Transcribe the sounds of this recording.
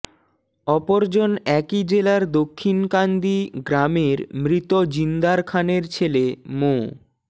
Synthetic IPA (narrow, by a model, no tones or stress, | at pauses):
ɔpoɾd͡ʑonɛkid͡ʑelaɾd̪okʰːinkand̪iɡɾameɾmɾit̪od͡ʑind̪aɾkʰaneɾt͡ɕʰelemo